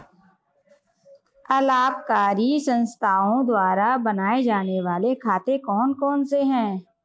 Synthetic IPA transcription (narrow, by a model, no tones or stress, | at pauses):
ɐlaːbkaːɾisə̃nst̪ʰaːõd̪waːɾabənaːed͡ʒaːneʋaːlekʰaːt̪ekɔːnkɔːnseɦɛ̃ː